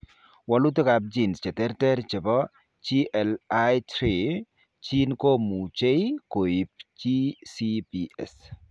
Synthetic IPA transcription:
wɔ˨lu˦t̪e˦ka˨b̚d͡ʒi˨nst͡ʃɛ˨t̪ɛ˦ɾtɛ˦ɾt͡ʃɛ˨bɔ˦ | t͡ʃi˦ʔɛ˨lajtɾi˨ | t͡ʃi˦nko˦mu˨t͡ʃe˦jko˨i˨p̚t͡ʃi˦si˦piɛ̰s

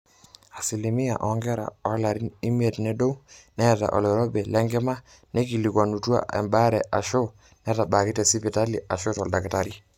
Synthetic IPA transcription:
a˨si˨li˨mi˦ja̰˨ʔɔ˨ŋɡɛ˦ɾa̰˨ɔ˦la˨ɾi˦ni˦mi˦e˨tnɛ˦do˦wnɛ˦˨ta̰˨ʔɔ̰˨lɛ˨ɾɔ˦bɛ˨lɛ˦ŋɡɛ˦ma˦ | nɛ˦ki˨li˨kwa˨nu˨twa̰˨ʔɛ̰˨mba˦ɾɛ˨ʔa˨ʃo˦ | nɛ˦ta˨ba˨ki˦tɛ˨si˦pi˨ta˦li˨a˨ʃo˦tɔ˨lda˨kɛ˨ta˨ɾi˦

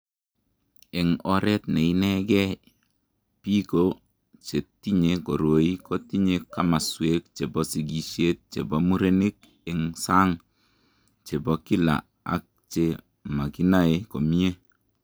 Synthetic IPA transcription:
e˨ŋɔ˦ɾe˦t̪̚ne˨i˦ne˦ɡɛ˦ | pi˦ko˦ | t͡ʃe˨ti˦ɲe˨ko˨ɾo˨i˦ko˦ti˦ɲe˨kːa˦ma˨swe˨˦kt͡ʃe˨bɔ˨si˨ɡi˨ʃe˦t̪̚t͡ʃḛ˨bo˨mu˦ɾe˦ni˦k̚ | i˨ŋsa˦ŋ | t͡ʃe˨bo˨ki˦la̰˨ | a̰˦k̚t͡ʃe˨ | ma˨ki˦na˦e˨ko˨mi˦je˦

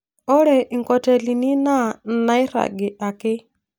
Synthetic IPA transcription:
ɔ˦ɾɛ˨ʔi˨ŋkɔ˨tɛ˨li˨ni˦na˦˨na˦ɪ˦ɾa̰˨ɡɪ˨ʔa˨kɪ˦

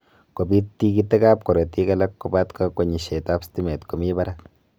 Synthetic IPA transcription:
ko˨bi˦tːi˦ki˦tɛ˦ka˦p̚kɔ˨ɾe˨ti˦ka˦la˦kːo˨ba˦tka˦ko˨ɲi˨ʃe˨ta˦psti˦me˨tko˨mi˦ba˦ɾa˦k

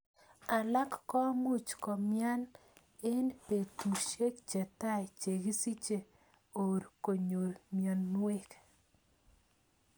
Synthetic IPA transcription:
a˨la˦kːɔ˦mu˦t͡ʃkɔ˨mja˦n | e˦npe˨tu˨ʃe˦k̚t͡ʃɛ˨t̪a˦˨t͡ʃe˨ɡi˦si˦t͡ʃe˨ | o˨ɾko˨ɲo˨ɾmjɔ˨nːwe˦k

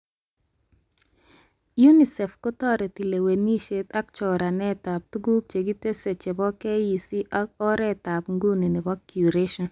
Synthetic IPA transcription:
ju˦ni˨sɛ˨fko˦tɔ˦ɾɛ˨ti˨le˨we˨ni˦ʃe˦t̪a˦k̚t͡ʃɔ˨ɾa˨nɛ˦ta˨p̚t̪u˦ɡu˦p̚t͡ʃe˨ɡi˦te˦se˨t͡ʃe˨bɔ˦kɛ˦ji˨si˦ʔaɔ˦ɾɛ˦ta˨pŋɡu˦ni˨nɪ˨bɔ˦kːju˨ɾe˦ʃɔ˨n

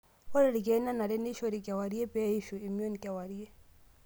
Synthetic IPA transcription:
o˦ɾi˦ɾi˨ɡɛ˨˦na˦na˨ɾɛ˦ni˦ʃo˦˨ɾi˨kɛ˨wa˨ɾi˦e˦bɛ˦i˦ʃu˨i˨mi˦o˦n˨kɛ˨wa˨ɾi˦e˦

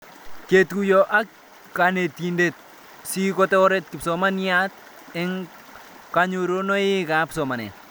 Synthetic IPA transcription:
ke˨tku˨jɔ˨ʔa˦k | ka˨ne˨ti˨nde˨t̚ | si˦kɔ˦tɛ˦ɔ˦ɾe˦t̚kɪ˨psɔ˨ma˦nja˦t̚ | ɛ˦ŋ | ka˨ɲo˨ɾo˦nɔ˦ɪ˦ka˨psɔ˨ma˨nɛ̰˨t

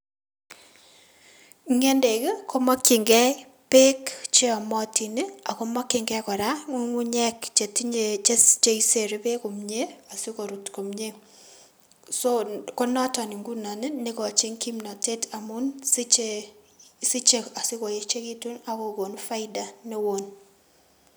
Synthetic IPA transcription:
ŋe˦nde˨ke˦kʰo˦ma˦kːi˨ŋɡɛ˦ | pe˦kt͡ʃe˦ɔ˨mɔ˦ti˨ni˦a˨ko˦ma˦kːɪ˨ŋɡɛ˦kɔ˨ɾa˦ŋo˦ŋu˦ɲɛ˦kt͡ʃe˨ti˦ɲe˨t͡ʃe˦st͡ʃe˦i˦se˨ɾe˦be˦ko˨mɲe˦a˨si˦ko˨ɾu˨tko˨mɲe˦ | so˦ko˦na˦tɔ˨ni˨ŋɡu˦na˨nɪ˦ne˦kɔ˨t͡ʃe˦ŋki˦mna˨te˦tʰa˨mʊ˦nsi˦t͡ʃe | si˦t͡ʃe˨a˨si˦ko˨je˦t͡ʃe˦ki˦tu˦na˨ko˨ko˨nfa˦ida˨ne˦wo˨n

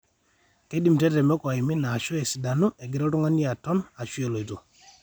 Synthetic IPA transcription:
ke˦di˨m˨tɛ˦tɛ˨mɔ˦kɔ˨ɪ˨mɪ˦naː˨ʃɔ˦ɛ˨si˨da˨nu˦ɛ˨ɡɪ˨ɾɔ˦tɔ˦ŋa˦nja˨tɔ˦na˨ʃu˦e˨lo˨i˨to˨

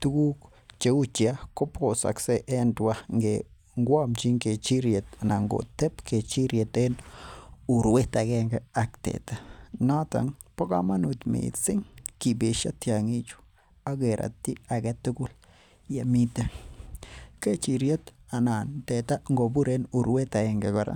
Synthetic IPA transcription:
t̪u˦ɡu˦k | t͡ʃe˧u˦t͡ʃja˦ko˦pʰo˨sa̰˨kse˦ʔe˦ndwa˦ŋɡe˨ | ŋɡʷa˦mt͡ʃi˦ŋɡe˨t͡ʃi˦ɾje˨t̪a˨na˨ŋɡo̰˨t̪e˦pkʰe˨t͡ʃi˦ɾje˨t̪e˦n | u˨ɾwe˦t̪a˨ɡe˦ŋɡe˦a˧kt̪ḛ˨t̪a˦na˦t̪a̰˨ŋpo˦ka˧ma˦nu˧t̪mḭ˨t͡si˦ŋki˨be˨ʃa̰˦t̪ja˨ŋi˦t͡ʃu̥˨ | a˦ɡe˨ɾa̰˨t̪i˦a˨ɡe˧t̪u˦ɡu˦l | ja˨mi˦t̪a˦ | ke˦t͡ʃi˧ɾje˦t̪a˨na˨nt̪e˨t̪a˦ŋɡo˨bu˦ɾe˦nu˨ɾwe˦t̪a˨ɡe˧ŋɡe˨ɡa˨ɾa̰˦

